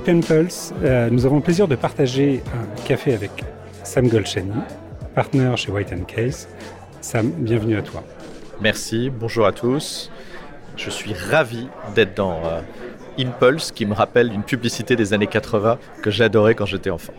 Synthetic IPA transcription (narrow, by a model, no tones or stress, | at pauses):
pɛnpɔlsnuzavɔ̃pleziʁd̪əpaʁt̪aʒeɛ̃kafeavɛk | samɡɔlʃɛnipaʁt̪nœʁʃewajt̪ʰɛnkʰɛz | sambjɛ̃vnyat̪ʰwa̰ | mɛʁsibɔ̃ʒuʁat̪ʰus | ʒ̥əsɥiʁavid̪ɛt̪d̪ɑ̃ | impɔlskʲiməʁapɛld̪ynpyblisit̪ed̪ezanekat̪χəvɛ̃ | kəʒead̪ɔʁɛkɑ̃ʒet̪ɛɑ̃fɑ̃